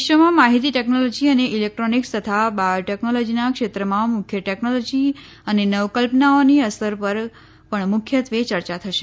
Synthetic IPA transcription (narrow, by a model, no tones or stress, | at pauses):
ʃʋəmãmaɦit̪iʈɛknolod͡ʒiəneʔilek̚ʈɾonikst̪ət̪ʰabajoʈɛknolod͡ʒinakʃet̪ɾəmãmʊkʰjəʈɛknolod͡ʒi | ənenəʋkəlpənaoniəsəɾpəɾ | pəɳmʊkʰjət̪ʋet͡ʃəɾt͡ʃat̪ʰəʃe̥